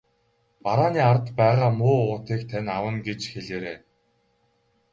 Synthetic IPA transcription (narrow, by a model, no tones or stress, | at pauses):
paɾaːniːart̪pæːʁaːmʊːʊːt̪iːkt̪ʰanʲawə̆nɡet͡ɕxeɮeːɾeː